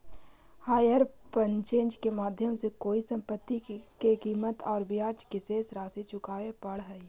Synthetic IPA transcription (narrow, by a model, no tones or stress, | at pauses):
haːjəɾpənt͡ʃẽːnd͡ʒkemaːd̪ʱjəmsekoːisə̃mpət̪ːikekiːmət̪ɔːɾbjaːd͡ʒkɪseːsɾaːsit͡ʃʊkaːepəɽɦɛi